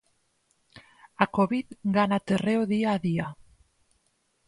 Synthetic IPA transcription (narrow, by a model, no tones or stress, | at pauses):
akoβiðɡanat̪ereoðiaðia